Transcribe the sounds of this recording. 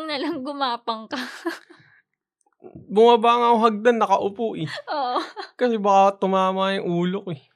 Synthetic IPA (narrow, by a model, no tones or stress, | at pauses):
ŋnɐlɐŋɡʊmaːpɐŋkɐ | bʊmɐbaːŋaoɦɐɡ̚d̪anːɐkɐʔʊpoʔɪʔoːʔokɐsɛbɐkat̪ʊmaːmaajʊŋʔuːlokoɛ